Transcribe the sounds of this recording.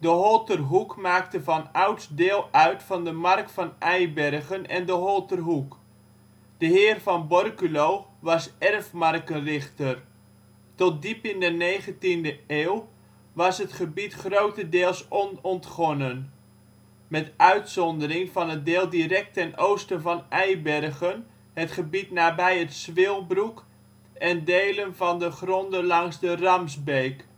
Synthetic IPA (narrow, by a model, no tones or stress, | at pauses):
dəɦɔlˠtərɦukmaːktəvɑnawtsdɪːlˠœɥtfɑndəmɑrk̚tfɑnʔɛjbɛrχənɛ̰ndəɦɔlˠtərɦuk | d̥əɦɪːrvɑnbɔrkylowʋɑsɛrfmɑrkərɪχtər | tɔt̚dipɪndənejχəntindəeːw | ʋɑsɦətχəbitχrowtədeːlˠsɔnɔntχɔnən | mɛtʔœɥtsɔndərɪŋvɑnɦət̚deːlˠdiɾɛk̚tɛnowstənvɑnɛjbɛrɣən | ɦətχəbitnaːbɛjətsʋɪlˠbruk | ɛndejlənvɑndəχrɔndəlɑŋzdərɑmzbejk